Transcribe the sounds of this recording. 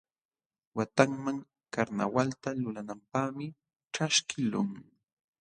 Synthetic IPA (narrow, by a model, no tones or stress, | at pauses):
wat̪aŋmaŋ | kaɾna̰walt̪alʊlanampaːmɪ | ʈ͡ʂaʃkɪlʊ̰ŋ